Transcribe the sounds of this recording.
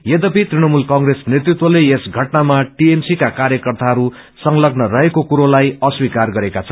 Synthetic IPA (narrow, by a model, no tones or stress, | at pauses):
jed̪ʌpit̪riñʌmulkʌŋɡresnet̪rit̪wʌleesɡʱʌʈnamaʈiemsikakarjʌkʌrt̪aɦʌɾu | sʌŋlʌɡnʌrʌɦekokuɾolajʌswikarɡʌɾekat͡sʰʌn